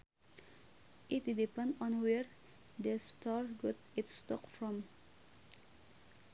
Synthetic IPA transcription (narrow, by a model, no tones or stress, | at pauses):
ʔɪt̪d̪ɪpɛ̃nd̪ɔ̃nwɛɹ | d̪est̪ʰɑːɹɡɔt̪ɪt̪st̪ɔkfɹɔm